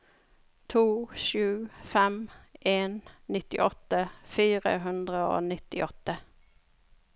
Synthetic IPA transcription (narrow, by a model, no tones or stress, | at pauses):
t̪ʰuːʃʉːfɛmʔeːnnɪt̪ɪ̰ʔɔt̪əfiːʁə̰ɦʉnd̪ʁəo̰ːnɪt̪ɪʔɔt̪ːə